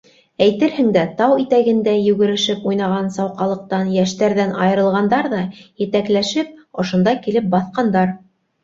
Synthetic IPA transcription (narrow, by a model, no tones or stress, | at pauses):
æjt̪ɘɾhɘ̆ŋd̪æt̪ɑwit̪æɡɘ̆nd̪æjʉɡɘ̆ɾɘ̆ʃɘpujnɑʁɑnsɑwqɑlˠɤ̆q̚t̪ɑnjæʃt̪æɾðænɑjɤ̆ɾɤ̆lˠʁɑnd̪ɑɾðɑjɘ̆t̪æklæʃɘp̚ŏʃŏnd̪ɑkilɘp̚bɑθqɑnd̪ɑɾ